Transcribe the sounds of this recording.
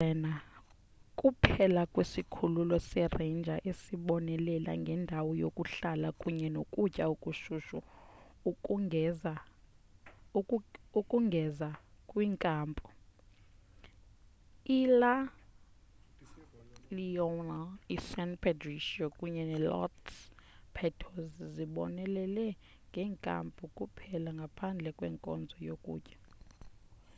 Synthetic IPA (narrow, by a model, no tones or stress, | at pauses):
ɛna | kʼupʰɛlakʼwesikʰululɔsɛrend͡ʒʱaʔesiɓɔnɛlɛlʔa̰ŋɡʱɛndʱawɔjokʼuɬalakʼuɲɛnokʼut͡ʃʼaukʼuʃuʃu | ukʼuŋɡʱɛzakʼwiːŋkʼaːmpʼɔ̥ | ila | liɔnaisɛnpʰɛdriʃiɔkʼuɲɛnɛlɔ̰t | pʰɛtʰozziɓɔ̰nɛlɛlɛ | ŋɡʱɛːŋkʼa̰mpʼukʼupʰɛlaŋɡʱapʰand͡ɮʱɛkʼwɛ̰ːŋkʼɔ̰nd͡zʱɔjokʼṵːcʼɛ̥